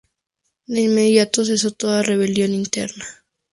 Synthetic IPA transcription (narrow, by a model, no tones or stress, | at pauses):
d̪einmeðjat̪os̬es̬ot̪oðare̞βeljo̞nint̪ḛɾna